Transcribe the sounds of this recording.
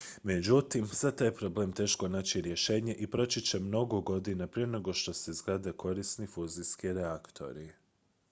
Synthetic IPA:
me̞d͡ʑut̪imsat̪ajpɾo̞ble̞ːmt̪e̞ːʃko̞naːt͡ɕiɾje̞ʃe̞ːɲe̞ʔipɾo̞t͡ʃit͡ɕe̞mno̞ɡo̞ɡo̞d̪inapɾijenoɡo̞ʃt̪o̞sezɡɾad̪ekʰo̞ɾisnifuːziskiɾeakt̪ʰo̞̰ɾi

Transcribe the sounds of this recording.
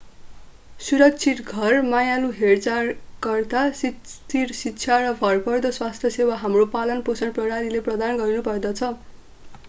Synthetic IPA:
suɾʌk̚t͡sʰit̪ɡʱʌrmajaluɦert͡sarkʌrt̪asit̪iɾsitːt͡sʰjarʌbʱʌrpʌrd̪ʌswast̪ʰjʌsewaɦamropalʌnposʌnprʌɾaɾileprʌd̪anɡʌɾinupʌrd̪ʌt͡sʰʌ

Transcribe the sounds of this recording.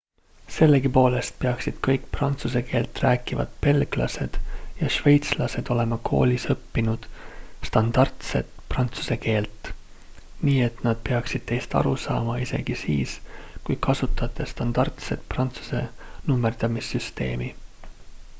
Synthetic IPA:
se̞lːe̞ɡipo̞ːle̞st̪̚pe̞ɑksid̪̥kɤjkprɑnt̪suse̞ke̞ːlt̪ræːkivɑ̰d̪̥pe̞lɡ̥lɑ̰se̞d̪̥jɑʃve̞jt̪slɑse̞d̪̥o̞le̞mɑkʰo̞̰ːlʲisɤpːinud̪̥st̪ɑnd̪̥ɑrt̪se̞̰t̪prɑnt̪su̥se̞ke̞ːlt̪ˑ | niːe̞t̪nɑd̪̥̚pe̞ɑksid̪̥̚t̪e̞jst̪ɑ̰ɾusɑ̰ːmɑise̞̰ɡ̥isḭːskujkʰɑsut̪ːˑɑt̪ːˑe̞st̪ɑnd̪ɑrt̪se̞̰t̪prɑnt̪su̥se̞̰numːerd̪̥ɑmisːyst̪e̞̰ːmi

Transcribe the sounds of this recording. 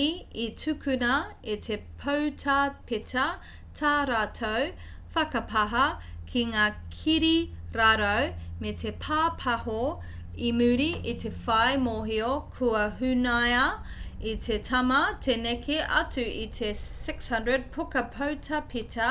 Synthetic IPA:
iitʰʉkʰʉnɐitʰepʰowtʰɐpitʰɐ | tʰaɾaːtʰow | fɐkɐpʰɐɦɐkʰiŋaːkʰiɾiɾaɾɐwmetʰepʰaːpʰɐho | imʉɾiʔit̪ʰe̞fɐjmoɦiokʰuɐɦʉnajɐ | itʰetʰɐmɐtʰenekʰeʔɐ̰tʉʔit̪ʰesɪkshɐndɹəd̚pʰokɐpʰowtʰɐpʰitʰɐ

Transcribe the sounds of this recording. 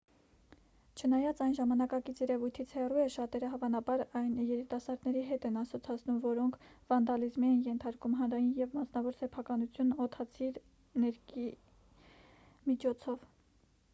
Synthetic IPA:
t͡ʃʰənɑjɑt͡sɑjnʒɑmɑnɑkɑkit͡sʰjɛɾɛvujt̪ʰit͡sʰhɛruɛʃɑt̪ɛɾəɦɑvɑnɑbɑɾɑjnjɛɾit̪ɑsɑɾd̪nɛɾiɦɛt̪ɛnɑsɔt͡sʰɑt͡sʰnumvɔɾɔŋkʰvɑnd̪ɑlizmiɛnjɛnt̪ʰɑɾkumɦɑnɾɑjinjɛvmɑsnɑvɔɾsɛpʰɑkɑnut͡sʰjunɔt̪ʰɑt͡sʰiɾ | nɛɾki | mit͡ʃʰɔt͡sʰɔv

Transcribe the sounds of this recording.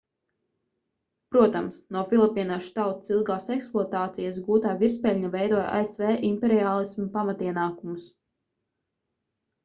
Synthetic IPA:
pɾuɔt̪amsnuɔfilˠipiːnaʃt̪awt̪ḁsilˠɡaːsɛksplˠɔt̪aːt̪sijas̬ɡuːt̪aːviɾspɛlʲɲavɛjd̪uɔja̰esvɛːʔimpɛɾiaːlˠismupamat̪iɛnaːkumus

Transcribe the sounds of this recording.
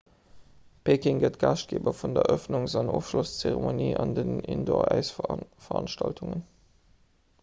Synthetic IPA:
pʰeːkiŋɡətɡɑːʃt̚ɡ̥eːbɐfundɐʔœfnʊŋzɑnoːfʃlost͡seʁemoniːʔɑndənindoːɐæɪsfɐʁɑ̰nʃtɑltʰuŋən

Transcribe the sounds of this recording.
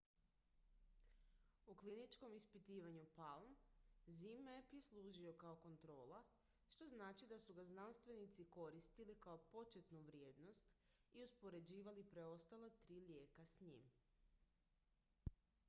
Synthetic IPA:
uklinit͡ʃko̞mispit̪iːʋaɲupalˠmzimepjeslˠuːʒio̞kao̞ko̞nt̪ɾo̞ːla | ʃt̪o̞znaːt͡ʃid̪asuɡaznanst̪ʋe̞nit̪siko̞ɾist̪ilikao̞po̞t͡ʃet̪nuʋɾjeːd̪no̞st̪iuspo̞ɾe̞d͡ʑiːʋalipɾe̞o̞st̪alat̪ɾiːlje̞ːkasɲḭːm

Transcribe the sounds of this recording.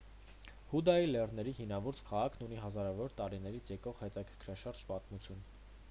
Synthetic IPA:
hud̪ɑjilɛrnɛɾihimnɑvɔɾt͡skʰɑʁɑkʰnuniɦɑzɑɾɑvɔɾt̪ɑɾinɛɾit͡sʰjɛkɔʁhɛt̪ɑkʰəɾkʰɾɑʃɑɾd͡ʒpɑt̪mut͡sʰjun

